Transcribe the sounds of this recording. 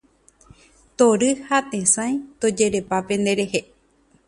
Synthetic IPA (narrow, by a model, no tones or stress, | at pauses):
t̪oɾɨhat̪ẽsãj̃t̪od͡ʒe̞ɾe̞pape̞nd̪eɾehe